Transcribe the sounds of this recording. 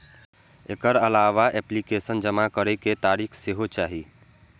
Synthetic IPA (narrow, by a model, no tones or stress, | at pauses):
ekəɾəlaːʋaʔɛːplikeːsənd͡ʒəmakəɾeket̪aːɾiːkʰseɦot͡ʃaːɦi